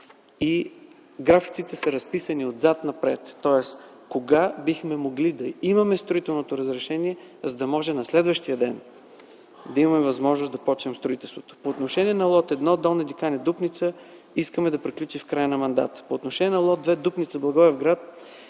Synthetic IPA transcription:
i | ɡɾafi̥t̪sit̪ɛsəɾɐspisəniod̪zat̪nɐpɾɛ̰t̪ːɔɛs | koɡabixmɛmoɡlid̪ɐimɐmɛst̪ɾʊit̪ɛlˠnot̪oɾəzɾɛʃɛniɛ | zəd̪ɐmɔʒɛnɐslɛd̪vəʃt̪ijəd̪ɛn | d̪ɐimɐmɛvɐzmɔʒnosd̪ɐpɔt͡ʃnɛmst̪ɾʊit̪ɛlˠst̪vot̪o̥poːt̪noʃɛnʲiɛnɐlˠɔt̪ɛd̪nɔd̪ɛlˠnɛd̪ikanɛd̪upnit̪sə | iskəmɛd̪ɐpɾiklʲut͡ʃifkɾajənɐmɐnd̪a̰t̪ə̥poːt̪noʃɛnʲiɛnɐlˠɔt̪̚d̪vɛd̪upnit̪səblˠɐɡɔɛvɡɾat̪̚

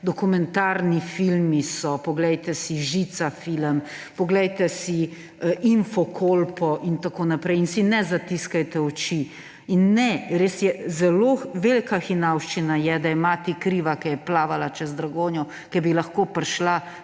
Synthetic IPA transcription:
d̪ɔkumɛnt̪aɾnifilmisɔpɔɡlɛjt̪ɛsiʒit̪safiləm | pɔɡlɛjt̪ɛsi | ʔinfokʰolpɔʔint̪akoːnapɾɛjinsinɛzat̪iskajt̪ɛɔt͡ʃi | inːɛɾeːsjɛzɛloʋelkaxinawʃt͡ʃinajɛd̪ajɛmaːt̪ikɾiːʋakɛjɛplaːʋalat͡ʃɛzd̪ɾaɡoːnjɔ | kɛbilaxkoːpɾʃla

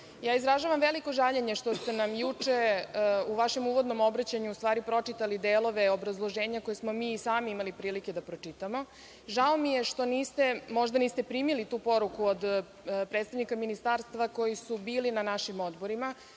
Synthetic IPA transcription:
jaːizɾaʒaʋamʋeliko̞ʒaʎeɲe̞ʃt̪o̞st̪enamjut͡ʂe̞uʋaʃe̞muːʋo̞d̪no̞mo̞bɾat͡ɕaɲuust̪ʋaːɾipɾo̞t͡ʂit̪alid̪eːlo̞ʋe̞obɾazlˠo̞ʒeːɲako̞jesmo̞miːsaːmiimalipɾiːliked̪apɾot͡ʂit̪amo̞ | ʒaomijeʃt̪o̞niːst̪e̞mo̞ʒd̪aniːst̪e̞pɾiːmilit̪uːpo̞ɾukuod̪ | pɾet̪t̪aʋnikaminist̪aːɾst̪ʋako̞jisubiːlinanaʃimo̞d̪bo̞ɾima

